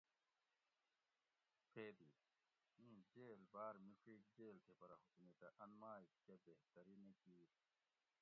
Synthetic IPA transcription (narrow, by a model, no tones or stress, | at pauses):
pʰeːd̪iː | mĩːd͡ʑeːlbaːɾmiʂʰiːk̚d͡ʑeːlt̪ʰepɐɾɐɦut̪umit̪ɐʔɐnmaːikkɐbeɦt̪ɐɾinekiː